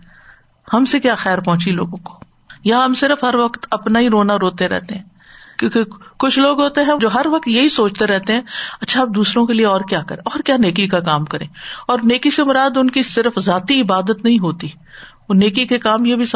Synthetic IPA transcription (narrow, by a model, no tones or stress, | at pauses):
hɐmsekjaːxɛːɾpɔ̃ɦʊ̃t͡ʃilo̰ːɡõko̥ː | jaɦɐmsɪɾəfɦɐɾʋɐkt̪ɐpnaɦiɾoːnaɾoːt̪eɾɛ̰ɦt̪eɦɛ̃ː | kːkikʊt͡ʃʰloːɡɦoːt̪eɦɛ̃d͡ʒoːɦɐɾʋɐk̚t̪jɐɦisoːt͡ʃt̪eɾɛɦt̪eɦɛ̃ːɐtːʃʰaːp̚d̪uːsɾõkelieɔːɾkjaːkɐ̰ɾẽɔːɾkjaːneːk̬ikakaːmkɐɾẽːɔːɾneːkisemʊɾaːd̪ʊnkisɪɾəfzaːt̪iɪbaːd̪ət̪nɐɦĩɦoːt̪i | oneːkikekaːmjebʱis